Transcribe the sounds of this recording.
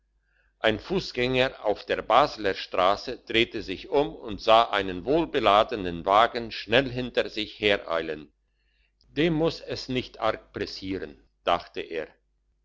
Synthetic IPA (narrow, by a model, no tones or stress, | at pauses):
ʔaɪnfuːsɡ̥ɛŋɐʔa̰ʊfd̥eːɐbaːzlɐʃtʁ̥aːsəd̥ʁeːtəzɪçʔʊmʊntz̥aːʔaɪnənvoːlbəlaːdənənvaːɡn̩ʃnɛlɦɪntɐzɪçheːɐʔa̰ɪlən | d̥eːmːʊsɛsnɪçtʔa̰ʁk̚pʁ̥ɛsiːʁən | d̥aχtəʔeːɐ